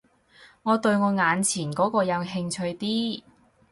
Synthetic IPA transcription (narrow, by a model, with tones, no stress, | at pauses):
ŋɔː˨˧t̪ɵ˧ɥŋɔː˨˧ŋaː˨˧nt͡sʰiː˨˩nkɔː˨˥kɔː˧jɐ˨˧wɦɪ˧ŋt͡ʃʰɵ˧ɥt̪iː˥